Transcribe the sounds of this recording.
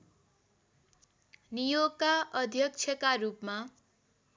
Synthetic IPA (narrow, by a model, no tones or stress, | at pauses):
nijoɡkaʔʌd̪ʱjʌk̚t͡ʃʰʌkarupma